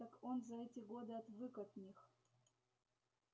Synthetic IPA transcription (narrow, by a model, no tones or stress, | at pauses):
akonzɐɛtʲɪɡod̪ɨɐt̪vɨkɐt̪nʲix